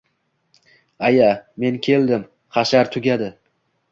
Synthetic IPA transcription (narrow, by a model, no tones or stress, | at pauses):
ajame̞nkʲʰe̞ld̪ɪm | χɑʃaɾt̪ʰʊɡʲad̪ɪ